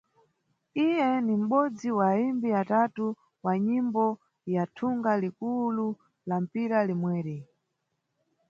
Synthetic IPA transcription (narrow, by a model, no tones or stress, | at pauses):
ijɛnim̩ɓɔd͡ziwaːimbiatatu | waɲimbɔ | jatʰuŋɡalikulu | lam̩piɾalimwɛːɾi